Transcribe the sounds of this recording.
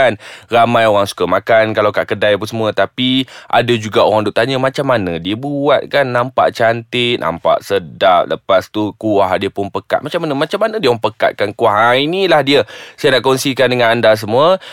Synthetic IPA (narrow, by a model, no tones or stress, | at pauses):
anramãjoɾaŋsu̥kamakankalawka̰ʔkədajpunsəmũət̪apiʔa̰dad͡ʒuɡaoɾaŋduʔt̪aɲəmãt͡ʃamːanə̃diəbuat̪̚kanːampa̰ʔt͡ʃant̪ɪʔ̚na̰mpa̰ʔsədap̚ləpast̪ukuahdiəpʊnpəka̰t̪̚mat͡ʃamːanəmãt͡ʃamːanə̃diəaŋpəka̰t̪̚kankuaɦainilahdiəsajənaʔkɔnsikandəŋãnandas̬əmũə